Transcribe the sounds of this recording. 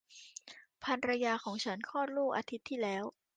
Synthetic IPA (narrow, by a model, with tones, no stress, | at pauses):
pʰa˧nɾa˧jaː˧kʰɔː˩˦ŋt͡ɕʰa˦˥nkʰɔː˥˩luː˥˩k̚ʔaː˧t̪ʰi˦˥t̪ʰːiː˥˩lɛː˦˥w